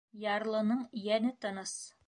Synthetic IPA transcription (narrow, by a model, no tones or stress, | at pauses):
jɑɾlˠɤ̆nɤɴjænɘt̪ɤ̆nɤs